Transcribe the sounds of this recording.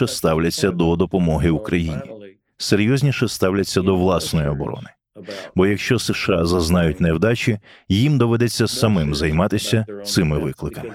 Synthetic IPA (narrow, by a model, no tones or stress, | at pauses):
ɛst̪ɑwlʲɐt͡sʲːɐd̪ɔd̪ɔpɔmɔɦɪukɾɐjinʲḭ | seɾʲjɔzʲnʲiʃɛst̪ɑwlʲɐt͡sʲːɐd̪ɔʋlˠɑsnɔjiɔbɔ̰ɾɔ̰nɪ̥ | bɔjɐkʃt͡ʃɔseʃɑzɐznɑjʊtʲnɛwd̪ɑt͡ʃʲijimd̪ɔʋɛd̪ɛt͡sʲːɐsɐmɪmzɐjmɑt̪ɪsʲɐt̪sɪmɪʋɪklˠɪkɐmɪ